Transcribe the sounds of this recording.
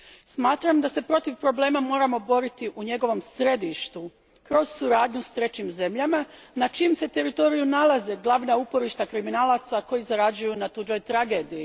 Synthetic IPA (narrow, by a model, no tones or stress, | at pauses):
smaːt̪ɾamd̪ase̞pɾo̞t̪iʋpɾo̞ble̞ːmamo̞ːɾamo̞bo̞ɾit̪iʔuɲe̞ɡo̞ʋo̞msɾe̞d̪iʃt̪u | kɾo̞zsuɾaːd̪ɲust̪ɾe̞t͡ɕimze̞mʎama | nat͡ʃimse̞t̪e̞ɾit̪o̞ɾijunalˠazeɡlˠaːʋnaupo̞ɾiʃt̪akɾiminaːlˠat̪sako̞jizaɾad͡ʒujunat̪ud͡ʒo̞jt̪ɾaɡe̞ːd̪iji